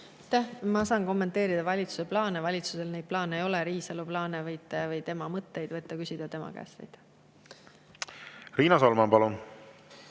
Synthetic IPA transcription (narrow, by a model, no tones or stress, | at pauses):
ɑt̪ːæhmɑsɑːnko̞mːe̞nt̪ːˑe̞ːɾid̪ɑvɑlʲit̪su̥se̞plɑːne̞vɑlʲit̪suse̞lnejd̪̚plɑːne̞jo̞le̞ɾiːsɑluplɑːnevɤjt̪ːˑevɤjt̪e̞mɑmɤt̪ˑːe̞jd̪̥vɤt̪ːˑɑkysʲid̪̥ɑt̪e̞mɑ̰kæ̰ːst̪ejd̪̥ | riːnɑsolmɑnpɑlun